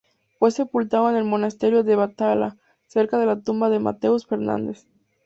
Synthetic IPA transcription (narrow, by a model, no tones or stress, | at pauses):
fwe̞se̞pult̪aðoene̞lmo̞nast̪e̞ɾjoðe̞βat̪ala̰ | se̞ɾkað̞e̞lat̪umbaðema̰t̪e̞usfe̞ɾnã̰nd̪es